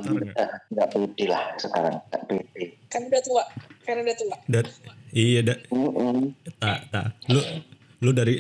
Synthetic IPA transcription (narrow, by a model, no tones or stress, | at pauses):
əŋɡaʔpit̪ilahsəkaɾa̰ŋa̰ʔpit̪ikanudat̪uaʔkanaudat̪uaʔdaɾiijadam̩ʔ̩t̪at̪a̰lo | lʊdaɾi